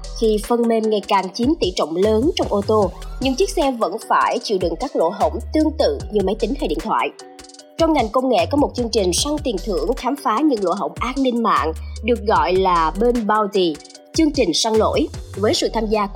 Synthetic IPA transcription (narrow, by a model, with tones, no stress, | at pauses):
xi˧fə˧nme˧mŋa˨˩jkaː˨˩ŋt͡ɕi˨˦mt̪ḭ˧˩t͡ɕə̰˧˨wŋ͡mləː˨˦nt͡ɕɔ˧wŋ͡mʔo˧t̪o˧ɲɨ˧ŋt͡ɕi˦˥ək̚sɛ˧və̰˧˥nfaː˧˩jt͡ɕḭ˧˨wɗɨ˨˩ŋkaː˦˥k̚lo̰˧˨ɦə˧˩wŋ͡mt̪ɨ˧əŋt̪ɨ̰˧˨ɲɨ˧˩mə˨˦jt̪ï˨˦ŋ̟hʰaː˧jɗḭ˧˨t̪ʰwa̰ː˧˨j | t͡ɕɔ˧wŋ͡mŋa˨˩jŋ̟kə˧wŋ͡mŋḛ˧˨kɔ˨˦mo˨˩t̚t͡ɕɨ˧əŋt͡ɕï˨˩ŋ̟sa˧ŋt̪i˨˩nt̪ʰɨ̰˧˩əŋxaː˨˦mfaː˨˦ɲɨ̰˧˥ŋlo̰˧˨ɦə̰˧˩wŋ͡mʔaː˧n̚nï˧nma̰ː˧˨ŋɗɨ˨˩ək̚ɣɔ̰˧˨jlaː˨˩ɓe˧nɓaː˧wzi˧˩ | t͡ɕɨ˧əŋt͡ɕï˨˩ŋ̟sa˧ŋlo̰˧˥jvəː˨˦jsɨ̰˧˨t̪ʰaː˧mzaː˧